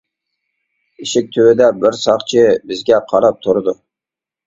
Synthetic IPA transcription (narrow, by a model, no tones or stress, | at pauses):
iʃɪk̚ʲt̪ʰøwɪd̪ɛbɪɾsɑqt͡ʃʰɪbɪzɡʲɛqʰɑɾɑp̚t̪ʰuɾɨd̪u